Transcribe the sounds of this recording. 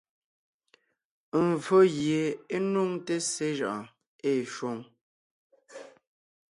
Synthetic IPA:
m˨vo˦ɣje˨e˦nu˦˨ŋte˦se˦ʒa˨ʔa˨ | e˦˨ʃwo˦ŋ

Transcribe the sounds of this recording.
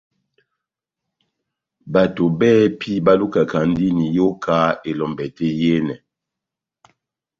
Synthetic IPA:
ba˨to˨bɛ˦pʰi˦ba˦lu˦ka˨ka˨ndi˦ni˨jo˦kʰa˦e˨lɔ˨mbɛ˨tɛ˦jɛ˦nɛ˨

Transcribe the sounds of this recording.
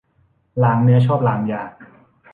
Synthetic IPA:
laː˩˦ŋnɯ˦˥ɐt͡ɕʰɔː˥˩p̚laː˩˦ŋjaː˨˩k̚

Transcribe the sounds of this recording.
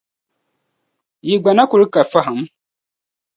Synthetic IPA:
ji˨ɡ͡ba˨na˦ku˨ɾi˦ka˨fa˦ɦa˨m

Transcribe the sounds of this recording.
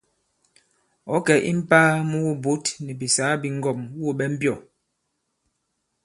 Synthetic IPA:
ɔ˨˦kɛ˨ʔḭ˦m̩˦paː˦mu˦wo˦bo˦tnɛ˨bi˨saː˨˦bi˦ŋ˦ɡɔ˦˨mwo˦˨ɓɛ˦m̩˦bjɔ˦˨

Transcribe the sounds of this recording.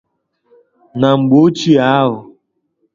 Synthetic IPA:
na˨ŋ͡m̩˨ɡ͡bo˦t͡ʃi˦a˦ɦʊ˨

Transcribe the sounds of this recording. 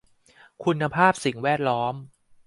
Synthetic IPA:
kʰu˧nːa˧pʰaː˥˩p̚si˨˩˦ŋwɛː˥˩t̪̚lɔː˦˥m

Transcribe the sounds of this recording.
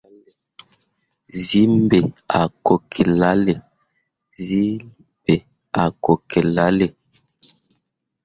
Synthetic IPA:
zi˦mbe˨a˨ko˨kʰe˨la˦le˨ | zi˦m | be˨ | a˨ko˨kʰɛ˨la˦le˨

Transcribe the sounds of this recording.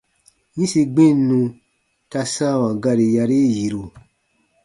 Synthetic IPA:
ɲĩ˦si˧ɡ͡bĩ˦˨˦nũ˧ | ta˧sã˦˨wã˨ɡa˧ɾe˧ja˧ɾe˦ji˨ɾo˨

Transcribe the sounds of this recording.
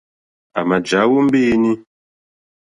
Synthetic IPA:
a˨ma˨d͡ʒa˨˦wu˦m̩˦bi˦ni˦

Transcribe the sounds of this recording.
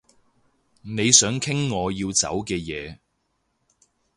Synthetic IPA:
ne˨˧jsœː˨˥ŋkʰɪ˥ŋːɔː˨˧jiː˧wt͡sɐ̰˨˥wkɛː˧jɛː˨˧

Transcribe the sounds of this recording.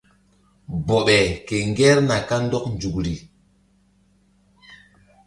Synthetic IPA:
bɔ˨ɓɛ˨ke˨ŋɡɛ˦ɾna˨ka˦n˦dɔ˦knd͡ʒu˨kɾi˨

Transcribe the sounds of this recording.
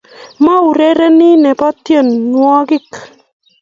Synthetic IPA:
ma˦u˨ɾe˦ɾɛ˦nɪ˦nɛ˨pa˦t̪je˦˨nːwɔ˦ɡɪ˦k

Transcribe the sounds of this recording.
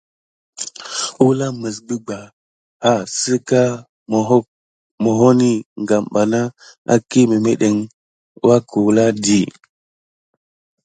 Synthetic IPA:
u˦la˦mə˨s̬bi˦ɡ͡ba˨ | a˦˨si˦ka˦˨˦ | mo˨ɦo˦ni˦ŋɡa˨mɓa˨na˦a̰˦ki˦mi˨me˦ɗe˨ŋ˦ | wa˦ku˨wla˦di˨

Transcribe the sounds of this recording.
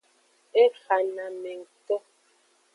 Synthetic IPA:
e˦xa˨na˨mɛ˨ŋ̩˨tɔ˦

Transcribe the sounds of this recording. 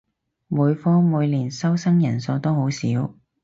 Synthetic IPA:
muː˨˧jfɔː˥muː˨˧jliː˨˩nsɐ˥wsɐ˥ŋjɐ˨˩nso˨˧wt̪o˥ho˨˥wsiː˨˥w

